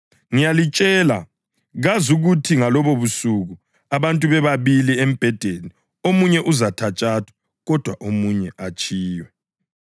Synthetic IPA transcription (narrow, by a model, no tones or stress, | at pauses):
ŋijalit͡ʃʼɛːla̰ | ɣazuɣutʰiŋalɔβoβusuɣu | aβantʼuβɛβaβiliem̩b̥ʱɛd̥ʱeni | omuɲɛʔuzatʰat͡ʃʼaːtʰwḁ | ɣɔd̥ʱwaʔomuɲɛʔat͡ʃʼiːwɛ